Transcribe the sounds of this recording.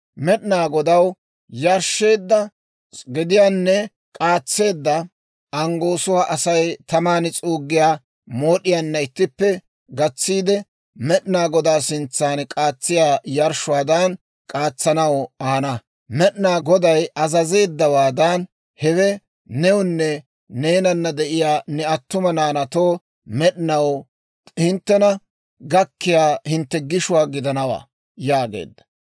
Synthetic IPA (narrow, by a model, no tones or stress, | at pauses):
mɛɗnaːɡɔd̪ɐw | jɐɾʃːe̞ːd̪ːɐ | ɡɪd̪ɪjaːnːɛ | kʼaːt͡sːe̞ːd̪ːɐ | ɐŋɡo̞ːsʊwaʔɐsɐjt̪ɐmaːnɪt͡sʼuːɡːɪjaː | moːɗɪjanːɐɪt̪ːɪpːɛ | ɡɐt͡sːiːd̪ɛ | mɛɗɪnaːɡɔd̪aːsɪnt͡sːaːnkʼaːt͡sːɪjaːjɐɾʃʊwaːd̪ɐn | kʼaːt͡sːɐnɐwaːnɐ | mɛɗnaːɡɔd̪ɐjɐzɐze̞ːd̪ːɐwaːd̪aːn | hɛwɛ | nɛwʊnːɛ | ne̞ːnɐnːɐd̪ɛʔɪjaːnɛɐt̪ːʊmɐnaːnɐt̪oː | mɛɗɪnɐw | hɪnt̪ːɛnɐ | ɡɐkːɪjaːhɪnt̪ːɛɡɪʃʊwaːɡɪd̪ɐnɐwa̰ː | jaːɡḛːd̪ːɐ̥